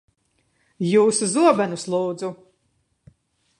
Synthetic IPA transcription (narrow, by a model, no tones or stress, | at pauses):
juːsuzuɔbænuslˠuːd̪zu